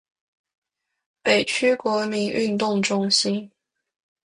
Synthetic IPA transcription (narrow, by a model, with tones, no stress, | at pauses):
pe˨˩ɪt͡ɕʰy˥kwɔ˧˥mi˧˥nʔy˥˧nt̪ʊ˥˩ŋʈ͡ʂʊ˥ŋɕi˥n